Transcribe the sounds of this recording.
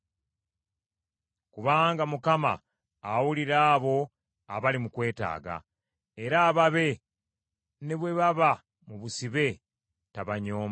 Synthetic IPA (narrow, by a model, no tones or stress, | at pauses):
kuβaːŋɡamukama̰ː | wuliɾaːβo̞ | aβalimukwe̞ːta̰ːɡa̰ | e̞ɾaːβaβe̞ | ne̞βwe̞βaβa | muβusiβe̞ | taβaɲo̞ːm